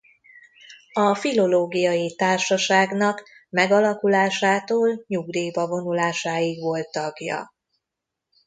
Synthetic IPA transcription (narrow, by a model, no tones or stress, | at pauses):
ɒfilo̞loːɡijɒjit̪aːrʃɒʃaːɡnɒkmɛɡɒlɒkulaːʃaːt̪oːlɲuɡd̪iːbɒvo̞nulaːʃaːjiɡʋo̞lt̪ːɒɡjɒ̰